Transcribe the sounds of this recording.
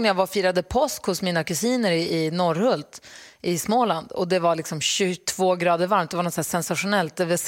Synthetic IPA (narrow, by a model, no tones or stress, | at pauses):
njaɡvafiːɾad̪əpʰɔskhʊsmiːnakɵsiːnəɾɪɪnɔɾhɵlt̪ʔɪsmoːland̪ɔ̰d̪ɛvaɭlɪksɔmɕɵt̪ʰv̥oːɡɾɑːd̪əɾvaɾmt̪d̪ɛvaɳnɔt̪sæːʂɛnsaɧʊnɛlt̪̚d̪ɛvɛs